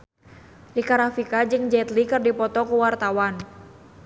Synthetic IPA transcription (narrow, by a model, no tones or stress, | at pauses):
dikaɾafikad͡ʒɨŋd͡ʒɛt̪likɨrdipɔt̪ɔkuwart̪awan